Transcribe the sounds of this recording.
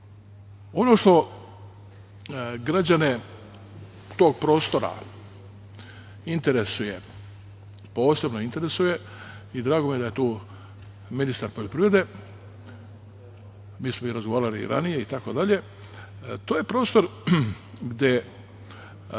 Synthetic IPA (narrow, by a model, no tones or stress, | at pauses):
o̞no̞ʃt̪o̞ | ɡɾad͡ʑane | t̪o̞ɡ̚pɾo̞ːst̪o̞ɾa̰ | int̪e̞ɾesuje̞ | po̞ːse̞bnoint̪e̞ɾe̞suje̞ | id̪ɾaːɡomijeaje̞t̪uː | minist̪aɾpo̞ʎo̞pɾiːʋɾe̞d̪e̞ | miːsmoiɾazɡoʋaːɾalḭɾa̰nije̞it̪ako̞d̪aʎe̞ | t̪oːje̞pɾoːst̪o̞ɾ | ɡd̪ʲje̞